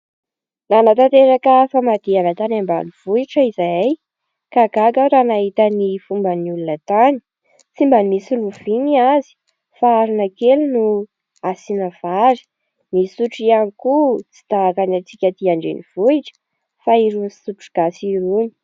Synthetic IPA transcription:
nanat̪at̪eɾakəfamad̪̥ianat̪anamba̰niv̥uiʈ͡ʂəizaj | kaɡaɡaɾanaɦit̪ənifumbəniulunət̪ani̥ | t͡simbanmisiluv̥iniazi̥ | faːɾinəkelunu | asinəv̥aɾi̥ | nisuʈ͡ʂianikut͡si̥d̪̥akanat͡sikʲat̪iaɳɖ͡ʐḛniv̥uiʈ͡ʂə̥ | faiɾunisuʈ͡ʂu̥ɡ̥asiɾuni̥

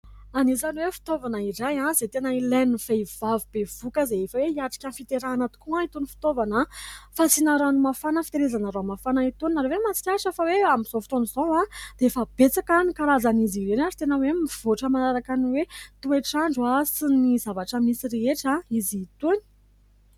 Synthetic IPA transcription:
anizanwefi̥t̪ovanairajãzet̪enəilaniv̥ejv̥avib̥ev̥ukəzeefəweiaʈ͡ʂi̥kʲanfit̪eɾanət̪u̥kuãit̪unifi̥t̪ovanafat͡sinaɾanumafanəfi̥t̪eɾezanəɾamafanait̪uniaɾewemat͡si̥kʲaʂefəweamiz̥ofit̪onizowãd̪̥eefəb̥et͡sakanikaɾazaniziɾenad͡zi̥t̪enəwemiv̥oʈ͡ʂəmanaɾakaniwet̪ueʈ͡ʂaɳɖ͡ʐuasinizavaʈ͡ʂəmisiɾeeʈ͡ʂaiziːt̪uni̥

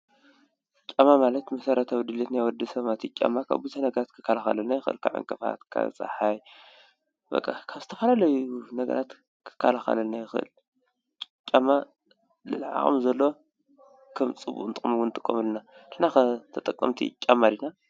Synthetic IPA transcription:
t͡ʃʲʼamamalɐt̪mɐsɐɾɐt̪ʰawd̪ɨlit̪najwɔd̪ɨsɐmat̪ʰit͡ʃʼa̰mːakʰa̰βbut̪ʰɐnɐɡɐɾat̪kʰɨ̥kʰːalaxɐ̰lɐnajɪxɨʔɨ̰lkʰaʕa̰ŋkʼɐfa̰t̪kʰa̰t͡sʼa̰ħaj | bɐ̰kʼːa̰kʰaβzɨt̪ʰɐfalalɐjunɐɡɐ̰ɾʔat̪ | kʰɨ̥kʰːalaxɐ̰lɐnajɪxɨʔɨ̰lʼ | t͡ʃʲʼːama | lɨ̰lʕa̰χʼɨ̰mzɐlːo | kʰɐmt͡sʼɨbṵʔʼnt̪ʼɨχʼmuwunɨt̪ʼɨkʼːo̰mɨlːɨnaʔɨħnaxɨt̪ʰɐt̪ʼɐkʼːɐ̰mt̪ʰḭt͡ʃʲʼamːalina

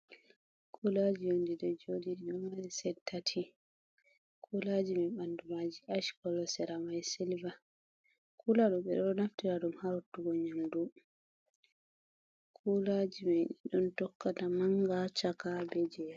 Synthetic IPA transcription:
kʰulad͡ʒijondiɗɔd͡ʒodiɗɔmaɾisɛtʰːatʰi | kʰulad͡ʒimɛɓandumad͡ʒiʔaʃkɔlɔsɛɾamajsɛlva | kulaɗɔɓɛ̰ɗɔɗɔnaftiɾaɗumhaɾutːuɡɔɲamdu | kʰulad͡ʒimɛɗɛɗɔntɔkːatamaŋɡat͡ʃakabɛd͡ʒɛa

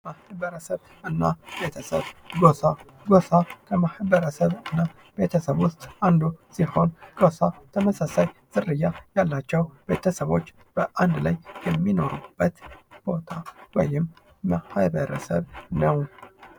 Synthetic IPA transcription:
mahbəɾəsəβ | ɨnːabet̪ʰəsə̰βɡosa | ɡosakʰəmahbəɾəsəβɨnːa | b̥e̞t̪ʰəsəβwʊst̪ʼand̪usiho̞nɡosat̪ʰəməsasajz̥ɨrːɨjːajalːat͡ʃːɛwb̥e̞t̪ʰəsəβo̞t͡ʃː | b̥əʔand̪lajjɛmːino̞ɾub̥ːət̪b̥o̞t̪ʰawɔ̰jɪmː | ahɨβəɾəsəβnəw

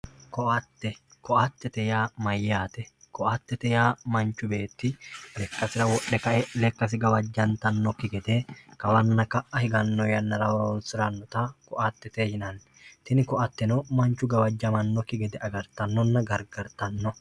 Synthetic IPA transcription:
kɔʔat̪ːɛkɔʔat̪ːɛt̪ɛjaːmɐjːaːt̪ɛkɔʔat̪ːɛt̪ɛjaːmɐnt͡ʃːʊbe̞ːt̪ːɪlɛkːɐsɪɾɐwɔɗːɛkɐʔɛlɛkːɐs̬ɪɡɐwɐd͡ʒːɐnt̪ɐnːɔkɪɡɛd̪eːkɐwɐnːɐkɐʔɐhɪɡɐnːɔjɐnːɐɾɐwɐɔnsɪɾɐnːɔt̪ɐkɔʔat̪ːɛt̪eːhɪnɐn | t̪ɪnɪkɔʔɐt̪ːɛnɔmɐnt͡ʃːʊɡɐwɐd͡ʒːɐmɐnːɔkɪɡɛd̪ɛʔɐɡɐɾt̪ɐnːɔnːɐɡɐɾɡɐɾt̪ɐnːɔ

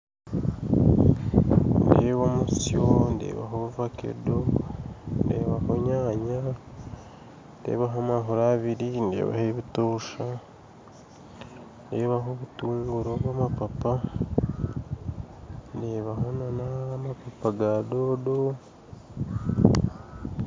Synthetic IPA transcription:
ndeːβomusjondḛːβa̰ɦoβuvakḛdo | ndḛːβaho̞ɲaːɲa | nde̞̰ːβaɦamaɦoɾaβiɾinde̞̰ːβa̰heβitoːʃa | ndeːβaɦo̞βutuːŋɡuɾoβwamapapa | ndeβaɦo̞nanamapapaɡado̞do

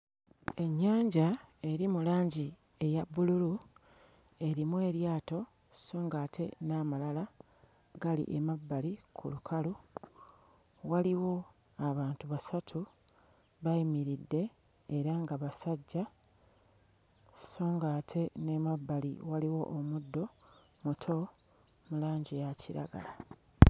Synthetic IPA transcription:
e̞ɲːaːɲɟae̞ɾimulaːɲɟi | e̞jabːululu | e̞ɾimwe̞ːɾjaːto̞ | so̞ːŋɡaːtʰe̞namalala | ɡalḭʔemabːalikʰṵlukʰalu | waliwo̞ | aβaːntuβasatʰu | βaimiɾidːe̞ː | ɾaŋɡaβasaɟːa | so̞ːŋɡaːtʰe̞ne̞mabːalḭwaliwo̞̰ʔːmudːo̞ | mutʰo̞ | mulaːɲɟijaciɾa̰ɡa̰la

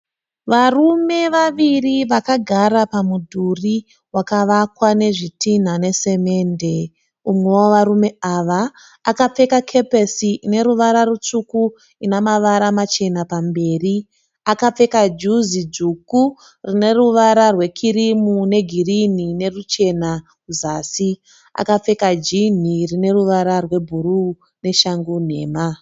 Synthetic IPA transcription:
ʋarume̞ʋaʋiriʋakaɡʱaɾapamudʱuri | wakaʋakwane̞ʐitin̤ane̞se̞me̞ːnde̞ | umwe̞woʋaɾume̞aʋaː | kap͡fe̞kakʰe̞pesiine̞ɾuʋaɾarut͡ʂuku | inamaʋaɾamat͡ʃe̞napambe̞ːri | akap͡fe̞kad͡ʒuzid͡zuːku | rine̞ruʋaɾarwe̞kʰiɾimune̞ɡʱirinine̞rut͡ʃe̞na | kuzaːsi | a̰kap͡fe̞kad͡ʒin̤irine̞ruʋaɾarwe̞bʱuru | ne̞ʃaŋɡun̤e̞̰ːma

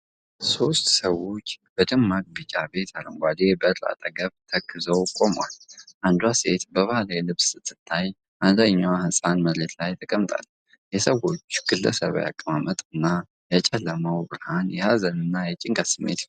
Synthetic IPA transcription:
so̞st̪səwo̞t͡ʃːbəd̪ɨmːak̚ʼbɨt͡ʃʼabe̞t̪ʰaləŋɡʷad̪e̞bəɨrla̰t̪ʼəɡəβt̪ʰəkʰːɨzəwkʼo̞mwalʔand̪uwase̞t̪bəβahalajɛlɨβsɨt̪ʰːɨt̪ʰːaj | ʔanzaɲːawhɨsʼanməɾet̪lajt̪ʰəkʼəmt̪ʼa̰l | jɛsəwo̞t͡ʃːɡ̥ɨlːə̰sə̰β̰ja̰kʼːəmamət̪ʼɨnːa | jɛt͡ʃʼɛlːəməwbɨɾhanjɛhazənɨnːajɛt͡ʃʼɪŋkʼasɨmːḛt̪

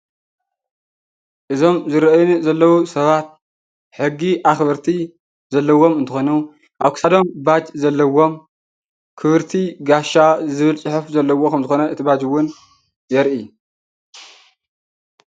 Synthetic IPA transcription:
ʔɨzo̞mzɨɾɐjnzɐlːɐwusɐβat̪̚ | ħɨɡiʔaxβɐɾt̪ʰi | zɐlːɐwo̞mɨnt̪ʰɨ̥xonu | ʔaβkʰɨ̥sad̪o̞mbad͡ʒzɐlːɐwo̞m | kʰɨβɨɾt̪ʰiɡaʃazɨβɨlt͡sʼɨħɨfzɐlːɐwːo̞kʰɐmzɨxo̞nɐɨt̪ʰibad͡ʒuwːʊn | jɛɾʔi

